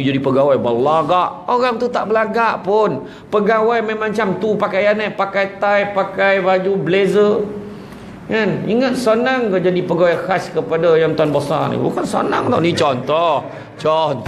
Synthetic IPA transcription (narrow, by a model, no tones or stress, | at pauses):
d͡ʒadipəɡawajbəlaɡaʔoɣaŋt̪ut̪aʔbəlaɡaʔpʊn | pəɡawajmemãɲt͡ʃamt̪upakajanapakajt̪ajpakajbad͡ʒublezə | ŋanḭŋət̪̚sənaŋkad͡ʒadipəɡawajkaskəpadajaŋt̪anbosa̰nḭbṵkansa̰na̰ŋdɔ̰nit͡ʃɔnt̪ɔh | t͡ʃɔn